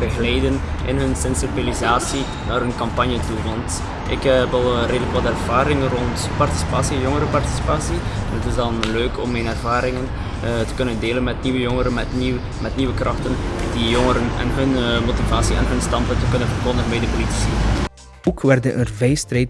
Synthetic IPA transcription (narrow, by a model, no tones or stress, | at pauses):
bəɣəlɛjdənʔɪnɦɵnsɛnsibilizaːsi | naːrɦənkɑmpɑnjətuʋɑnt | ʔɪ̰kɛpɑlˠreːdələkʋɑtɛrv̥aːɾɪŋənrɔnt | pɑrti̥si̥paːsijoŋəɾəpɑrti̥si̥paːsiɛnɦətɪzdɑnløːkʰɔ̰mːɛnɛrvaːɾɪŋən | tə̥kɵnəndeːlənmɛtniʋəjɔŋəɾənɛtni | mɛtniʋəkrɑxtəndijoŋəɾənɛ̰nɦɵnmotivaːsiɛ̰nɦɵnstɑmpəntəkɵnənvərkɔndəɣənbɛjdəpoliti̥si | oːkʰʋɛrdəʔənvɛjstrɛjt